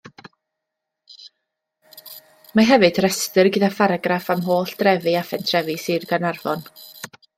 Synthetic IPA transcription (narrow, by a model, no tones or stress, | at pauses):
maɦɛvɨd̥rɛstɨrɡədafaɾaɡrafamɦoːɬd̥rɛvɨafɛntʰrɛvɨsɨːrɡanarvɔn